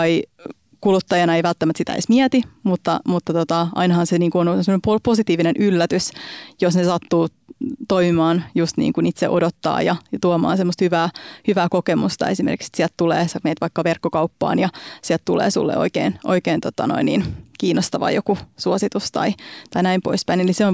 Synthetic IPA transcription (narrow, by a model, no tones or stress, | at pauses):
ɑi | kulut̪ːɑjɑnɑeiʋælt̪ːæmæt̪sit̪æ̰ḛsmiæt̪imut̪ːɑmut̪ːɑt̪ot̪ɑʔɑ̰inɑhɑnseniːŋkuonosemonepoposit̪iːʋinenʔylːæt̪ysjosnesɑt̪ːuː | t̪oimimɑːnjust̪nḭːŋkunit̪sḛʔodot̪ːɑ̰ːjɑjɑt̪uomɑ̰ːnsemːost̪hyʋæːhyʋæːkokemust̪ɑ̰esimḛrki̥ksi̥t̪siælt̪t̪ulḛːsɑmeit̪ʋɑikːɑʋerkːokɑupːɑ̰ːnjɑsiælt̪t̪ulḛːsṵlːḛʔo̰ikḛːnʔo̰ikeːnt̪ot̪ɑ̰no̰inːḭːnkiːnːˑost̪ɑʋɑ̰jokusuosit̪ust̪ɑ̰it̪ɑinæimpo̰ispæineliseon